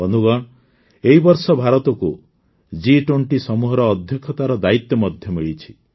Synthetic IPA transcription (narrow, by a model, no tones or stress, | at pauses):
ɔnuɡɔɽ̃ | eɦibɔɾsɔbʱaɾɔt̪ɔku | d͡ʒiʈwoɳʈisɔmuɦɔɾɔːd̪ʱjɔkʰɔt̪aɾɔd̪ait̪jɔmɔd̪ʱjɔmiɭit͡ʃʰi̥